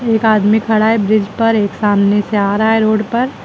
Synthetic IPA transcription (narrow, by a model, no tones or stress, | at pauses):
eːkaːd̪mikʰɐɽaːebɾɪd͡ʒpɐɾeːksaːmneseaːɾaɦaeɾoːɽpɐɾ